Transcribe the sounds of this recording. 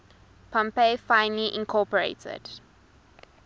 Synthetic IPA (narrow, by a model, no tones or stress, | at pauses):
pʰãmpefãɪ̃nliʔĩnkʰɔpəɹḛtʰə̰d̥